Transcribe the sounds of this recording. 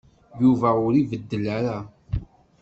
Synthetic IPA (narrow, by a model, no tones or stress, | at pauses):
juvæʊɾivəd̪ːəlaɾa